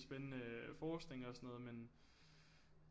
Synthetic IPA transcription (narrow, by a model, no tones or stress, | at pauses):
sb̥enənəfɒːsd̥ne̝ŋɒ̽sɒ̽nɔ̽ːð̞̩ˠmen